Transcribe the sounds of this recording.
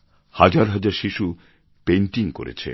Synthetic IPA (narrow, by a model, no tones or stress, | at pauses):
had͡ʑaɾɦad͡ʑaɾʃiʃu | penʈiŋko̰ɾḛt͡ɕʰḛ